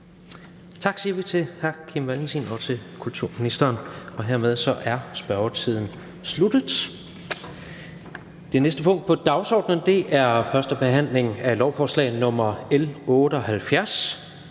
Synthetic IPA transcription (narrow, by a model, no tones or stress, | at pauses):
t͡sʰɑ̈ɡ̥siɐʋit͡sʰe̝hæɐkʰimʋælensʰḭnɒ̽t͡sʰe̝kʰult͡sʰuɐ̰minisd̥ɐːnɒ̽ɦeɐ̰með̞ˠsɒ̽ʔæɐsb̥ɶɐʊɐt͡sʰið̞̰ˠn̩ | slud̥ð̩ˠ | d̥e̝nesd̥əpʰɔ̽ŋ̰d̥̚pʰɒ̽d̥ɑ̈ʊsɒ̰ːd̥nənd̥e̝ʔæɐfɶɐsd̥əb̥e̝ɦæn̰le̝ŋælɒʊfɒːslɛ̰ɪnɔ̽mɐelɔ̽ːɾ̥əɒ̽hælfjæɐs